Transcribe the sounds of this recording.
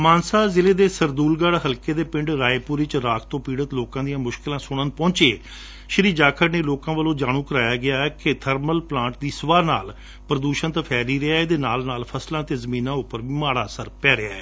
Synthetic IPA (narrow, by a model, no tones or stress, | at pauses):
maːnsaːzɪleːd̪eːsəɾd̪uːlɡəɽɦəlkeːd̪eːpɪ̃ɳɖɾaːeːpʊɾɪt͡ʃɾaːkʰt̪õːpiːɽət̪loːkãːd̪ijãːmʊʃkɪlãːsʊɽ̃ənpɔ̃ːt͡ʃeː | ʃəɾiːd͡ʒaːkʰəɾneːloːkãːʋəlõːd͡ʒaːɽ̃ũːkəɾaːjaːɡɪjaːɛːket̪ʰəɾməlplãːɳʈ̚d̪iːsʊʋaːɾna̰ːl | pɾəd̪uːʃənt̪aːpʰɛːliːɾɪaːeːd̪eːnaːlnaːlpʰəslãːt̪eːzəmĩːnãːʊpːəɾʋiːmaːɽaːsəɾpɛːɾɪa̰ːɛː